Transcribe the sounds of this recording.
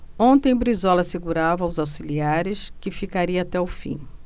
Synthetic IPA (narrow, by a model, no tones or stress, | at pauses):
õnt̪ẽj̃bɾizɔlɐseɡuɾavɐwzawsiliaɾɪskɪfikaɾiɐat̪ɛʊfḭ̃